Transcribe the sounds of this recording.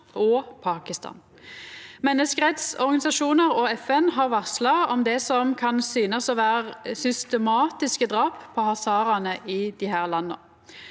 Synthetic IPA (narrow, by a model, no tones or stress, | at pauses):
ɔpʰɑːkɪst̪ɑ̰ːn | mɛnːəskəʁɛt̪sɔʁɡɑnɪsɑʃuːnəʁɔɛfɛnɦɑːʁʋɑʁslɑɔmd̪ɛsɔmkʰɑnsyːnəsɔʋæːʁsʏst̪ɛmɑːt̪ɪskəd̪ʁɑːpʰːɔhɑsɑːɾɑnəʔɪd̪ɪhæːʁlɑnːə̰